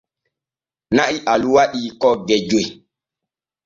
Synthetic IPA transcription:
naʔiʔaluwaɗiːkɔɡɛd͡ʒoj

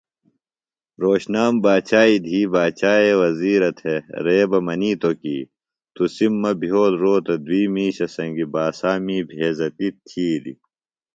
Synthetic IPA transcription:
ɾoːɕnaːmbaːt͡ɕaːid̪ʱiːbaːt͡ɕaːewɐziːɾɐt̪ʰeɾeːbɐmɐniːt̪okiː | t̪usimːɐbʱijoːlɾoːt̪ɐd̪wiːmiːɕɐsɐŋɡibaːsaːmiːbʱeːzɐt̪it̪ʰːiːlḭ

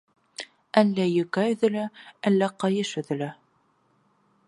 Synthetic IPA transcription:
ælːæjɵ̆kæɵ̆ðɘ̆læælːæqɑjɤʃɵ̆ðɘ̆læ

